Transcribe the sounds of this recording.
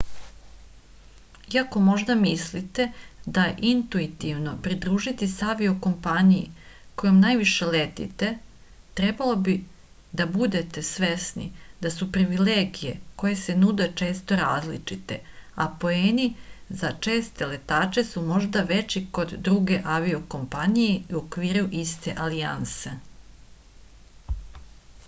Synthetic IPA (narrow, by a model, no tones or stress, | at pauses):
iako̞mo̞ʒd̪amislit̪e̞d̪aʔint̪uit̪iʋno̞pɾid̪ɾuːʒit̪isaʋioko̞mpanijḭko̞jomnajʋiʃe̞let̪ḭt̪e̞ | t̪ɾe̞balˠo̞bi | d̪abud̪e̞t̪e̞sʋe̞snḭd̪asupɾiʋileːɡije̞ko̞je̞se̞nud̪e̞t͡ʃe̞ːst̪o̞ɾaːzlḭt͡ʂit̪e̞apo̞eːnizat͡ʂe̞ːst̪ele̞t̪aːt͡ʃe̞sumo̞ʒd̪aʋe̞t͡ɕiko̞d̪ːɾuɡe̞ʔaʋio̞ko̞mpanijeuokʋiːɾuʔist̪e̞̰ʔalianse̞